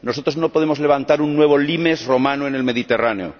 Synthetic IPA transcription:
nosot̪ɾoznopo̞ð̞emozle̞β̞ant̪aɾunːweβ̞o̞limesro̞mãnoene̞lmeðit̪e̞raneo̰

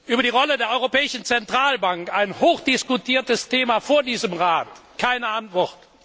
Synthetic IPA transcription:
ʔyːbɐdiːʁɔlədeːɐʔɔʏʁopɛːɪʃn̩t͡sɛntʁ̥aːlbaŋkaɪnhoːxd̥ɪskutʰiːɐtəstʰeːmafoːɐdiːzəmʁaːtkʰaɪnəantv̥ɔʁt

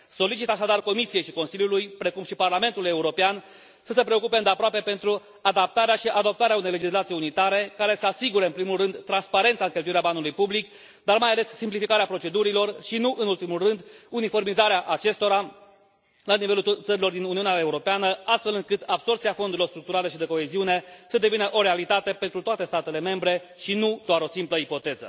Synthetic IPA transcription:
so̞lit͡ʃit̪aʃad̪arko̞misijejʃiko̞nsiljulujpɾe̞kumʃiparlame̞nt̪ule̞uɾo̞pean | səsepɾeo̞kupe̞ɨnd̪eapɾoape̞pe̞nt̪ɾu | ad̪ap̚t̪aɾeaʃiʔad̪o̞p̚t̪aɾeaunejle̞d͡ʒislat̪sijunit̪aɾe̞kaɾe̞səasiɡuɾəɨnpɾimulːɨnd̪t̪ːɾanspaɾe̞nt̪saɨŋkʲelt̪ujiɾeabanulujpublik | d̪armajale̞sːimplifikaɾeapɾo̞t͡ʃe̞d̪uɾilo̞rʃinuʔɨnult̪imulrɨnd̪unifo̞rmizaɾeaʔat͡ʃe̞st̪o̞ɾa | lanive̞lut̪səɾilo̞rd̪inuniuneaeuɾo̞peanəast̪fe̞lɨŋkɨt̪abso̞rt̪siafo̞nd̪uɾilo̞rst̪ɾuk̚t̪uɾale̞ʃid̪e̞ko̞eziune̞səd̪e̞vinəʔo̞ɾe̞alit̪at̪e̞pe̞nt̪ɾut̪oat̪e̞st̪at̪e̞le̞me̞mbɾe̞ | ʃinud̪̥oaɾo̞simpləipo̞t̪e̞zə̰

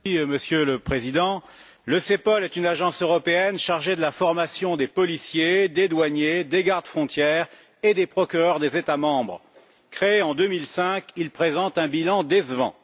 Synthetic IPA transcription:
məsjøləpχezid̪ɑ̃ | ləsepɔlɛt̪ynaʒɑ̃søʁɔpeɛnʃaʁʒed̪əlafɔʁmasjɔ̃d̪epɔlisjed̪ed̪waɲed̪eɡaʁd̪əfχɔ̃t̪jɛʁ | ed̪epχɔkʲyʁœʁd̪ezet̪amɑ̃bʁ | kχeeɑ̃d̪ømilsɛ̃kilpχezɑ̃t̪ɛ̃bilɑ̃d̪ezvɑ̰̃

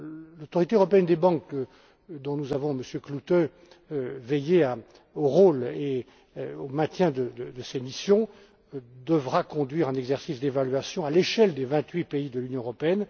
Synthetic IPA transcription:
lot̪ɔʁit̪eøʁɔpeɛnd̪ebɑ̃k | d̪ɔ̃nuzavɔ̃məsjøklut̪ø | vɛjea | oʁole | omɛ̃t̪jɛ̃d̪əd̪əd̪əsemisjɔ̃ | d̪əvʁakɔ̃d̪ɥiʁɛ̃nɛɡzɛʁsisd̪evalɥasjɔ̃aleʃɛld̪evɛ̃t̪ɥipeid̪əlynjɔ̃øʁɔpeɛn

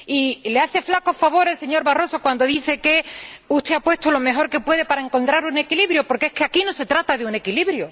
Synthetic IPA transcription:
ileaθe̞flako̞hfaβ̞o̞ɾelse̞ɲo̞ɾβaro̞so̞kwand̪o̞ðiθe̞ke̞uht̪e̞apwe̞st̪olo̞me̞xo̞ɾke̞pwe̞ð̞e̞paɾae̞ŋko̞nt̪ɾaɾune̞kiliβɾjopo̞ɾkeeskeakino̞se̞t̪ɾat̪aðeune̞kiliβɾjo

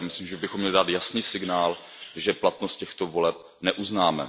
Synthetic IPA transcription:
mɪslimʒɛbɪxo̞mɲɛlɪdaːt̪jasniːsɪɡnaːl | ʒɛplat̪nost̪̚cɛxt̪o̞volɛp̚ | nɛʔuznaːmɛ̰

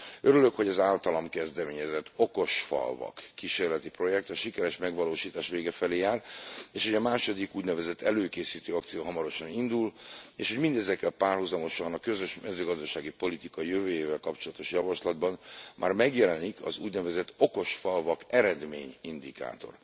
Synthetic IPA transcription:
øɾylø̞kho̞ɟɒzaːlt̪ɒlɒmkɛzd̪ɛmeːɲɛzɛt̪ʰːo̞ko̞ʃfɒ̰lvɒ̰kːiʃeːrlɛt̪ipro̞jɛk̚t̪ɒʃikɛɾɛʃmɛɡvɒloːʃiːt̪aːʃʋeːɡɛfɛleːjaːreːʃhoɟɒmaːʃo̞d̪ikuːɟnɛvɛzɛt̪ːɛløːkeːsiːt̪øːɒkt̪sijoɦɒmɒɾo̞ʃɒnind̪uleːʃho̞ɟmind̪ɛzɛkːɛlpaːrhuzɒmo̞ʃɒnɒkø̞zøʃmɛzøːɡɒzd̪ɒʃaːɡipo̞lit̪ikɒjøvøːjeːvɛlkɒpt͡ʃo̞lɒt̪o̞ʃjɒvɒʃlɒd̪bɒnmʔa̰ːrmɛɡjɛlɛnikʰɒ̰zṵːɟnɛvɛzɛt̪ːo̞ko̞ʃfɒlvɒkɛɾɛd̪meːɲind̪ika̰ːt̪o̞̰r

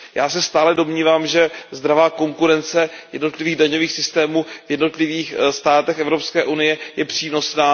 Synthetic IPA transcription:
jaːsɛst̪aːlɛdo̞mɲiːvaːmʒɛzd̪ɾavaːko̞ŋkuɾɛnt͡sɛjɛdno̞t̪lɪviːɣdaɲo̞viːxsɪst̪ɛːmuːvjɛdno̞t̪lɪviːxst̪aːt̪ɛxʔɛvɾo̞pskɛːʔunɪjɛjɛpr̝̥iːno̞snaː

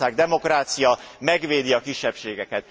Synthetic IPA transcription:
aːɡd̪ɛmo̞kraːt̪sijɒmɛɡʋeːd̪iɒkiʃːɛpʃeːɡɛkɛt̪̚

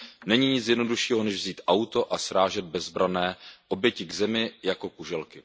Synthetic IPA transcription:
nɛɲiɲɪt͡sjɛdno̞duʃiːɦo̞nɛʒvziːt̪ʔawt̪o̞ʔasɾaːʒɛd̪̚bɛzbɾanɛːʔo̞bjɛcɪɡzɛmɪjako̞kuʒɛlkɪ

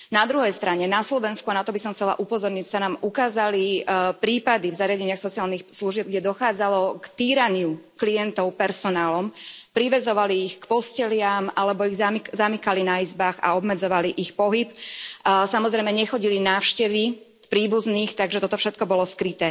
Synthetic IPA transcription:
nad̪ɾuɦɛjst̪ɾaɲɛnaslɔʋɛnskuanat̪ɔbisɔmxt͡sɛla̰ʔupɔzɔɾɲicsanaːmʔukaːzalipɾiːpad̪ivzaɾɪaɟɛɲɪaxsɔt͡sialnixsluʒɪɛb̚ɡɟɛd̪ɔxaːd͡zalɔkt̪iːɾaɲɪuklijɛnt̪ɔʊpɛɾsɔnaːlɔmpɾiʋɛzɔʋaliːxkpɔscɛlɪamalɛbɔiɣzamzamikalinaizbaːɣa̰ɔbmɛd͡zɔʋaliʔixpɔɦip | samɔzɾɛɪmɛɲɛxɔɟilinaːfʃcɛʋi | pɾiːbuzniːxt̪aɡʒɛt̪ɔt̪ɔfʃɛt̪̚kɔbɔlɔskɾit̪ɛː

